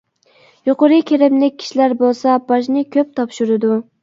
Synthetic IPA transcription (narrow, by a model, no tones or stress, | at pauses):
joqʊɾɨkʲeɾɪmlɪk̚ʲʰːi̥ʃilæɾbolˠsɑbɑʃ̬nɪkʲʰøp̚t̪ʰɑpʃuɾɪd̪u